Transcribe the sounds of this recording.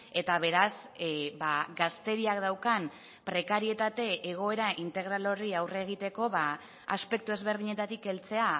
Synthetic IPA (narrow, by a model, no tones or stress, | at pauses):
e̞t̪aβe̞ɾas | baɡast̪e̞ɾiakd̪awkan | pɾe̞kaɾie̞t̪at̪e̞ʔːɣ̞o̞e̞ɾaʔint̪e̞ɣ̞ɾalo̞riawreːɣ̞it̪e̞ko̞βa | a̰spe̞k̚t̪ue̞zβe̞ɾð̞iɲe̞t̪at̪ike̞lt͡se̞a